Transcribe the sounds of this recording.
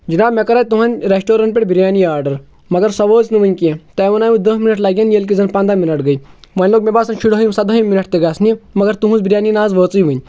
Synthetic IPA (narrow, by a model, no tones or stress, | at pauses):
d͡ʒinaːbmekɐɾaːt̪uɦɐnʲɾesʈoːɾɐnp̬ʲeʈʲbiɾjaːniaːɾɖɐɾ | mɐɡɐɾsɐʋoːznɨʋɨnʲkiẽt̪ɐʋɐnaːjud̪ɐɦminɐʈlaɡʲjanjelk̬izɐnpɐ̃nd̪aːminɐʈɡɐimɐnʲloːkmʲebaːsɐnʃiɽɦɐjũmsɐd̪ɐjiminɐʈ̚t̪eɡaːsʰnimɐɡɐɾt̪uɦũzbiɾjaːninaːzʋəːt͡sijʋɨnʲ